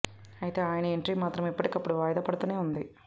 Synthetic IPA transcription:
ɐjit̪e̞ːaːjɐnɐeɳʈɾiːmaːt̪ɾɐmipːɐʈikɐpːuɽuʋaːjɐd̪ɐpɐɽɐt̪uːne̞ːund̪i

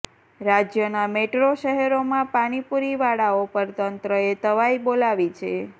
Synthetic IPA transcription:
ɾad͡ʒjənameʈɾoʃəɦɛɾomãpaɽ̃ipuɾiʋaɽaopəɾt̪ənt̪ɾəet̪əʋaibolaʋit͡ʃʰe

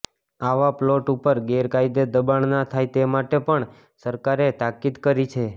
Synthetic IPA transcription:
aʋaploʈupəɾɡeɾkaid̪ed̪əbaɳnat̪ʰajt̪emaʈepəɳ | səɾkaɾet̪akid̪kəɾit͡ʃʰe

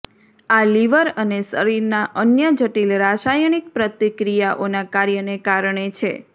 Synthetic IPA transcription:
aliʋəɾənesəɾiɾnaʔənjəd͡ʒəʈilɾaʃajɳ̃ik̚pɾət̪ikɾijaʔonakaɾjənekaɾɳet͡ʃʰḛ

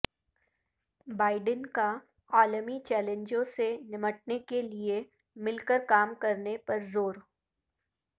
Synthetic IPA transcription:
baːɪɖənka | aːlmit͡ʃɛːlẽɲd͡ʒõsenɪməʈ̚nekelie | mɪlkəɾkaːmkɐɾnepɐɾzoːɾ

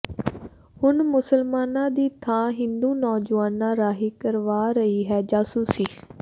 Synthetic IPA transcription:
hʊnmʊsəlmaːnãːd̪iːt̪ʰãːɦɪ̃nd̪uːnɔːd͡ʒaːnãːɾaːɦiːkəɾʋaːɾəiːɦɛːd͡ʒaːsuːsiː

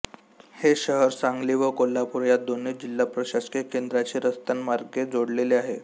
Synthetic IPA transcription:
heɕəɦəɾsaŋɡliːʋəkolːapuɾjat̪̚d̪onit͡sd͡ʑilːapɾəɕaskekend̪ɾat͡ɕiːɾəst̪ənmaɾɡed͡zoɽleleaɦe

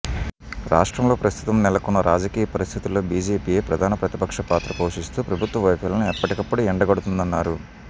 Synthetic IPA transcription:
ɾa̰ːʂʈɾɐmlo̞ːpɾɐst̪ʰut̪ɐmnɛlɐkunːɐɾaːd͡ʒɐkiːjɐpɐɾist̪ʰit̪ulːoːbiːd͡ʒeːpiːje̞ːpɾɐd̪ʱaːnɐpɾɐt̪ipɐkʂɐpaːt̪ɾɐpo̞ːʂist̪uːpɾɐbʱut̪ʋɐʋɐjpɐlɐnuɛpːɐʈikɐpːɐɽuɛɳɖɐɡɐɽut̪und̪ɐnːaːɾu

